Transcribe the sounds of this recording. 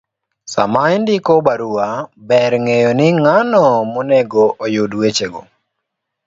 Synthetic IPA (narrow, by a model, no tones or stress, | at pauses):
sa̰maindikɔbaɾuabɛɾŋejonɪŋanɔmɔnɛɡɔʔojodwet͡ʃeɡo̰